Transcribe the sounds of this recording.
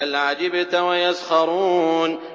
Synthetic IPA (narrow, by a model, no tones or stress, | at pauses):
alʕad͡ʒɪbat̪awajazxɑɾˤuːn